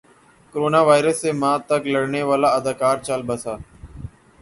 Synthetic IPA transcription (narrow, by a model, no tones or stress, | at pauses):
koɾoːnaːʋaːɪɾəsːeːmãːt̪əkləɽneːʋaːlaːəd̪aːkaːɾt͡ʃəlbəsaː